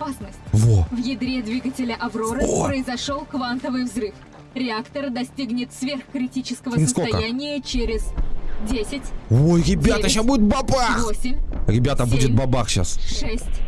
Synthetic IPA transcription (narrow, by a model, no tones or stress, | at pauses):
ɐpasnəsʲt̚ʲvovjɪd̪ɾʲed̪vʲiɡətʲɪlʲəʔɐvɾo̞ɾəppɾəɪzɐʂo̞lˠkvant̪əvɨjvzɾɨf | ɾʲɪakt̪ərd̪ɐsʲtʲiɡnʲɪt̪svʲerxkɾʲɪtʲit͡ɕɪ̥skəvəsʲɪəskot̪ɐkəjænʲɪjət͡ɕɪɾʲɪz̥dʲesʲɪtʲojɾʲɪdbʲat̪əɕasbuɪt̪̚bɐbavxo̞sʲɪmʲɾʲɪbʲat̪əbudʲɪt̪̚bɐbaxɕa̰sʂɛsʲtʲ